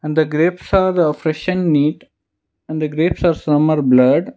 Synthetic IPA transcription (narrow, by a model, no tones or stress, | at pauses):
ɛ̃ɳɖd̪əɡɾeːpsaːɾəfɾɛʃə̃nːiːʈ | ɛ̃ɳɖd̪əɡɾeːpsaːɾsʌməɾblʌɖ